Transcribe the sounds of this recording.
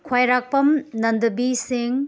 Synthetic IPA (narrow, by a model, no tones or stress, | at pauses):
kʰwajɾak̚pɐmnɐndɐbisiŋ